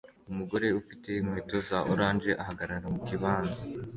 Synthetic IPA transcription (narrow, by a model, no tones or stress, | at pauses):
umuɡo̞ɾe̞ufite̞imhweːto̞zaʔoɾaːnd͡ʒe̞ʔaɦaɡaɾaɾamukiβaːnza